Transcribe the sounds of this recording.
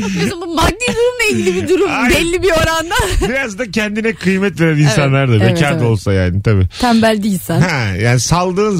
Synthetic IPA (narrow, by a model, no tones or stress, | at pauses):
oumbumad̪id̪uɾumlˠailɟilʲibid̪uɾumambɛlʲːibioɾand̪abiɾazd̪acʰɛnd̪inɛkʰɯjmɛt̪ve̞ɾæninsanlˠaɾd̪avecʰaɾd̪o̞lˠsaja̰ːnit̪ʰabḭːt̪ʰæmbælʲd̪isænhɛjaːnisalˠd̪ɯːn